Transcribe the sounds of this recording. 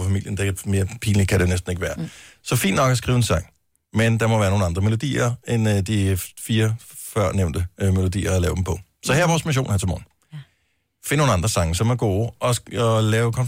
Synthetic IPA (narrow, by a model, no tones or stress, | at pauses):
fæmil̰jənd̥ekme̝ːɐpʰiːnlikʰæɾ̥enesd̥n̩eɡ̥əʋæːɐsɒ̽fḭːnd̥nɒ̽ɡ̥æsɡ̥ʁiːʊensɑ̈ŋ̰ | mend̥ɑ̈mɒʋæːɐno̝ːn̩ɑ̈nd̥ʁɐme̝lo̝d̥ḭːɐend̥ifiːɐ | fɶɐ̰neʊ̰nd̥əme̝lo̝d̥ḭːɐælɛːʊd̥em̩pʰɒ̽ | sɒ̽hæɐɐʋɒːsmiɕ̬o̝̰ːnhæɐt͡sʰemɒ̰ːn̩ | fenəno̝ːn̩ɑ̈nd̥ʁɐsɑ̈ŋəsɒ̽mæɐɡ̥o̝ːʔɒ̽ɒlɛːʊkʰɒ̽n